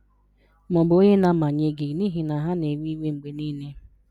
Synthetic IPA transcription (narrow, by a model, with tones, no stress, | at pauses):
mɔ˨bo˦ɲe˦na˨ma˨ɲe˨ɡɪ˨ni˦ɦi˨na˨ɦa˦ne˨wi˦wʷe˦ŋ͡m̩˨ɡ͡be˨ni˦ne˦